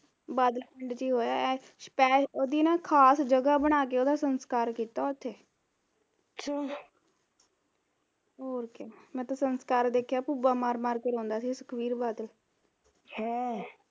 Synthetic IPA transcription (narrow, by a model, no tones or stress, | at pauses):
baːd̪əlpʰːɳɖt͡ʃiːɦoːjaːɛ | ʃpɛːoːd̪iːnãːkʰaːsd͡ʒəɡaːbəɽ̃aːk̬eːoːd̪aːsənskaːɾkiːt̪aːʊt̪ʰːeː | ʃa | oːɾkaːmɛ̃ːt̪ãːsənskaːɾd̪eːkʰjaːpubaːmaːɾmaːɾkəɾõːnd̪aːsiːsəkʰʋiːɾbaːd̪əl | hɛ̃ː